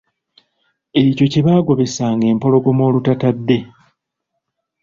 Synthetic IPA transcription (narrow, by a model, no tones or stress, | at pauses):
e̞co̞ceβaːɡo̞βe̞saːŋɡe̞ːmpo̞lo̞ɡo̞mo̞ːlutatadːe̞